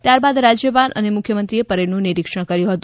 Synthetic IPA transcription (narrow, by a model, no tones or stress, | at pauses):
t̪jaɾbad̪ɾad͡ʒjəbanʔə̰nemʊkʰjəmənt̪ɾiepəɾenũniɾikʂəɽ̃kəɾjũɦət̪u